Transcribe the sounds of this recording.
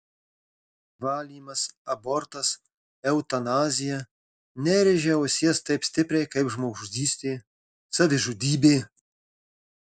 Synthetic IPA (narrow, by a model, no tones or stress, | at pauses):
vɑːlʲiːmɐsɐbɔɾt̪ɐs | ɛʊt̪ɐnɑːzʲɪjɛ | nʲɛɾʲɪʒʲɛosʲɛst̪ɐɪpsʲt̪ʲɪpʲɾʲɛjkɐɪpʒmoʒud̪ʲiːsʲt̪ʲeː | sɐʋʲɪʒud̪ʲiːbʲeː